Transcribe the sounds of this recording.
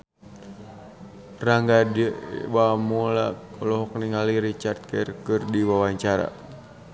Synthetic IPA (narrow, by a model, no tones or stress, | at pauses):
raŋɡadiwamɔla̰ɔlɔɦɔkniŋaliɾit͡ʃart̪̚kɛrkɨrdiwawaɲt͡ʃaɾa̰